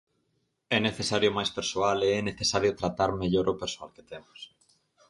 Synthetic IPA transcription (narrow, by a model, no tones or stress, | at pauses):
ɛneθesaɾjomajspeɾsoaleɛneθesaɾjʊt̪ɾat̪aɾmeʎoɾʔopeɾsoalket̪ɛmʊs